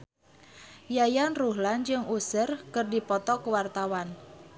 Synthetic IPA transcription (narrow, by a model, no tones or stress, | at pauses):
jajanruɦland͡ʒɨŋusərkɨrdipɔt̪ɔkəwart̪awan